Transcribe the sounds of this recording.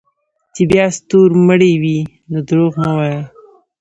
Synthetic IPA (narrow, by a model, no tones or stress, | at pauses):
t͡ʃebjɑst̪oɾməɽewi | nod̪ɾoɣnawɑjə